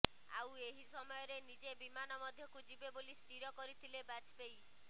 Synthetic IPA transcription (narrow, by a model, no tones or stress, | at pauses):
a̰weɦisɔmɔjɔɾenid͡ʒebimanɔmɔd̪ʱjɔkud͡ʒibebolisʈ̪iɾjɔkɔɾit̪ʰilebat͡ʃbej